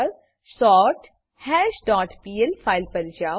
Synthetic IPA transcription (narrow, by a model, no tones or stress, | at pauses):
ɾ | sɔːɾʈ | hɛːd͡ʒɖɔːʈpiːelpʰaːɪlpɐɾd͡ʒaː